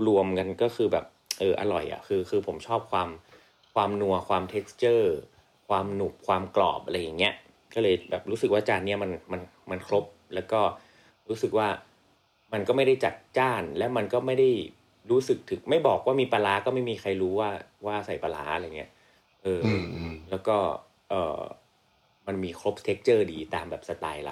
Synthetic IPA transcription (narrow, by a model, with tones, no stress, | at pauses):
ɾu˧əmka˧nkɔː˥˩kʰɯː˧bɛ̰ː˨˩p̚ʔɤː˧ʔa̰˧ɾɔ̰˨˩jʔa̰˨˩kʰɯː˧kʰɯː˧pʰo˩˦mt͡ɕʰɔː˥˩p̚kʰwaː˧m | kʰwaː˧mnu˧ɐkʰwaː˧mt̪ʰeː˦˥kst͡ɕɤː˥˩ | kʰwaː˧mnu˨˩k̚kʰwaː˧mklɔ̰ː˨˩p̚ʔa˧ɾa˧jːa˨˩ŋːi˦˥ɐ | kɔː˥˩lɤː˧jbɛ̰ː˨˩p̚ɾuː˦˥sɯ˨˩k̚waː˥˩t͡ɕaː˥˩nːi˥ɐma˧nma˧n | ma˧nkʰɾo˦˥p̚lɛː˦˥wkɔː˥˩ | ɾuː˦˥sɯ˨˩k̚waː˥˩ | ma˧nkɔː˥˩ma˥˩jda˥˩jt͡ɕa̰˨˩t̪̚t͡ɕaː˥˩nlɛː˦˥wma˧nkɔː˥˩ma˥˩jda˥˩j | ɾuː˦˥sɯ˨˩k̚t̪ʰɯ˨˩ŋ̚ma˥˩jbɔː˨˩k̚waː˥˩miː˧pa˧laː˦˥kɔː˥˩ma˥˩jmiː˧xʰa˧jɾuː˦˥waː˥˩waː˥˩sa˨˩jpa˧la̰ː˩˦ʔa˧ɾa˧jŋːi˦˥ɐʔ | ʔɤː˧lɛː˦˥wkɔː˥˩ | ʔɤ̰ː˨˩ | ma˧nmiː˧kʰɾo˦˥p̚t̪ʰe˦˥k̚t͡ɕɤː˥˩diː˧t̪aː˧mbɛː˨˩p̚sa˧t̪aː˧jla̰˨˩